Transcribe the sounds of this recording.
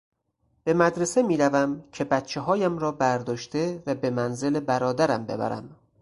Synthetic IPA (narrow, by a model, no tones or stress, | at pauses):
b̥e̞mæd̪ɾe̞se̞miːɾævæmcʰe̞bæt̪t͡ʃʰeɦɒːjæmɾɒːbæɾd̪ɒːʃt̪e̞væbe̞mænze̞lebæɾɒːd̪æɾæmbe̞̰bæ̰ɾæ̰m